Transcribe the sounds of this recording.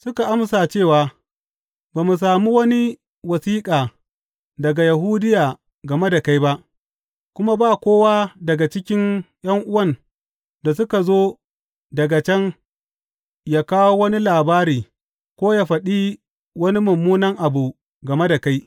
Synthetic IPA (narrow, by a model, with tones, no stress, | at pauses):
sʊ˦ka˨ʔa˦msaː˨t͡ʃeː˦˨waː˨ | baː˨mu˨s̬aː˨muː˦wɐ˦ni˦ | wɐ˨siː˦kʼaː˨ | dɐ˨ɡa˨ja˨ɦuː˦dɪ˦jaː˨ | ɡɐ˨me˦da˨ka˦jba˦ʔ | kʷʊ˦ma˦baː˦˨kʷoː˦waː˦dɐ˨ɡa˨t͡ʃɪ˦kʲɪ˦ŋ | j̰ɐ˦ŋʔʊ˦wɐ˦˨n | da˨s̬ʊ˦ka˨zoː˦ | dɐ˨ɡa˨t͡ʃɛ˦ŋ | jaː˦kaː˦woː˦wɐ˦ni˦laː˨baː˦ɾiː˨ | kʷoː˦jaː˦ɸɐ˨ɗiː˦ | wɐ˦ni˦mʊ˨mːuː˦nɐ˦ŋʔa˨bu˨ | ɡɐ˨me˦da˨ka˦j